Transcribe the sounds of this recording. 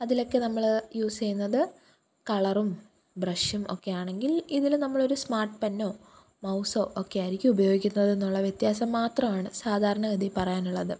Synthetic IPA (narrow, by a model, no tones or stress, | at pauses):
ɐðilo̞kːenɐmːɐɭjuːsejunːɐðɨ | kɐɭɐrum | brɐʂjumo̞kːe̞jaːɳe̞ŋɡiliðilnɐmːɐɭo̞ɾusmaːrʈɨpɐnːo̞ː | mɐwso̞ːʔokːe̞ɐɾikʲːiubɐjo̞ːɡikʲːunːɐðe̞nːuɭːɐʋjet̪jaːsɐmːaːt̪rɐmaːɳɨsaːd̪ʱaːɾɐɳɐɡɐd̪ipɐrɐjaːnuɭːɐðɨ